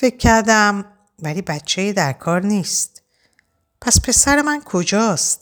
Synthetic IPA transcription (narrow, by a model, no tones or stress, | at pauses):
fe̞kʰːæɾd̪æm | væliːbæt̪t͡ʃʰejid̪æɾkʰɒːɾniːst̪ | pʰæspʰe̞sæɾe̞mænkʰo̞d͡ʒɒːst̪